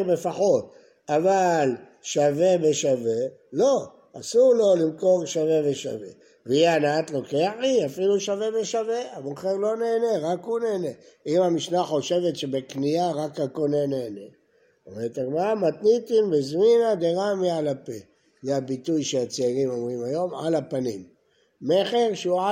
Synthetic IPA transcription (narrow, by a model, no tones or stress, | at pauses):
befaχo̞t̚ | aval | ʃave̞be̞ʃave̞ | lo̞ | asuʁlo̞limko̞ʁʃave̞veʃa̰ve̞̰ | veianaat̪lo̞keaħiafiluʃave̞be̞ʃave̞amoχeʁlo̞ne̞ːne̞ʁakuneːne̞imamiʃnaχo̞ʃe̞ve̞t̪ʃe̞bekniaʁakhako̞ne̞ne̞ːne̞ | vet̪aɡmaamat̪nit̪inbizminad̪eʁamialape | zeabitujʃeat͡seiʁimo̞mʁimajo̞ma̰lapanimː | eχe̞ʁʃeua